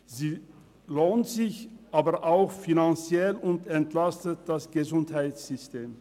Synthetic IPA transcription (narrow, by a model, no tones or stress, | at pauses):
ziː | loːntz̥ɪçʔaːbəɐʔaʊxfinant͡sjɛlʊntɛntlastət̚d̥asɡ̥əzʊnthaɪtsz̥ʏsteːm